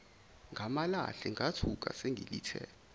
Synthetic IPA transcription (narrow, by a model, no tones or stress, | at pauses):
ŋɡʱamala̰ɬɛŋɡʱatʰuk̬a̰seŋʱḭlitʰɛ̰ːla